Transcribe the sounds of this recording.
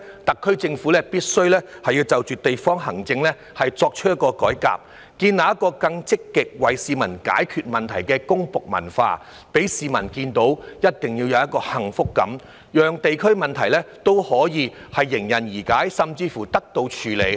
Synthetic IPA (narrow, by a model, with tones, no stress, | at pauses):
t̪ɐ˨kʰːɵ˥ɥt͡sɪ˧ŋfuː˨˥lɛː˥piː˥t̚sɵ˥ɥlɛː˥hɐ˨jiː˧wt͡sɐ˨wt͡ʃyː˨t̪e˨jfɔː˥ŋɦɐ˨˩ŋt͡sɪ˧ŋlɛː˥ | hɐ˨jt͡sɔː˧k̚t͡ʃʰɵ˥jɐ˥t̚kːɔː˧kɔː˨˥jka̰ː˨p̚ | kiː˧nnaː˨˧jɐ˥t̚kɔː˧kɐ˧ŋt͡sɪ˥kːɪ˨k̚wɐ˨jsiː˨˧mɐ˨˩nka̰ː˨˥jkʰyː˨t̚mɐ˨nt̪ʰɐ˨˩jkɛː˧kʊ˥ŋpʊ˨k̚mɐ̰˨˩nfa̰ː˧ | pe˨˥jsiː˨˧mɐ˨˩nkiː˧nt̪o˨˥wjɐ˥t̚t̪ɪ˨ŋjiː˧wjɐ˨˧wjɐ˥t̚kɔː˧hɐ˨˩ŋfʊ˥kːɐ̰˨˥m | jœː˨ŋt̪e˨jkʰɵ˥ɥmɐ˨nt̪ʰɐ˨˩jlɛː˥t̪o˥whɔː˨˥jiː˨˧ | hɐ˨jːɪ˨˩ŋjɐ˨˩njiː˨˩kaː˨˥jsɐ˨mt͡siː˧fuː˨˩t̪ɐ˥k̚t̪o˧wt͡ʃʰyː˨˩le˨˩j